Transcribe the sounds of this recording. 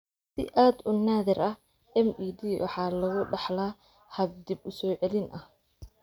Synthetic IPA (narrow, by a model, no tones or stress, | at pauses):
sɪ̰ʔaːd̪ʊnaːðɪɾʔɐh | ɛmiːd̪iːwʔɑ̰ħɑːlɐɣʊɖɑħlaː | hɐb̚d̪ɪbʊsɔːʕɛlɪnʔɐh